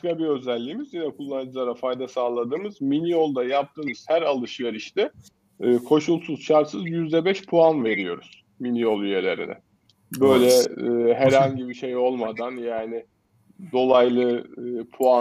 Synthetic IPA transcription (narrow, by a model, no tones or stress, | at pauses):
ʃkabiø̞zælʲːiːmizjinɛkʰulˠːanɯd͡ʒɯlˠaɾafajd̪asaːlˠad̪ɯːmɯzminijo̞lˠd̪ajap̚t̪ʰɯːmz̥hæɾalˠɯʃjaɾiʃt̪ɛː | kʰo̞ʃulˠsuzʃaɾsɯzjyzd̪ɛbɛʃpʰuanve̞ɾijo̞ɾṵz̥ | minijo̞lˠyje̞lʲe̞ɾḭnɛ̰ | bø̞jlʲɛːɦæɾhaɲɟibiʃe̞jo̞lˠmad̪anjaːnɪ | d̪o̞lˠajlˠɯːpʰua